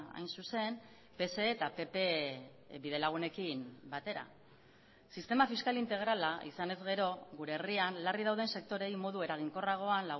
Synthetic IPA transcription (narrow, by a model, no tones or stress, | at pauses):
a̰jnsuse̞m | pe̞se̞ːt̪ape̞pe̞ | biðe̞laɣ̞une̞kimbat̪e̞ɾa̰ | sist̪e̞mafiskalint̪e̞ɣ̞ɾalaisane̞zɣe̞ɾo̞ɣuɾe̞ːrianlariðawð̞e̞nse̞k̚t̪o̞ɾe̞jmo̞ðue̞ɾaɣ̞iŋko̞raɣ̞o̞anlaɣ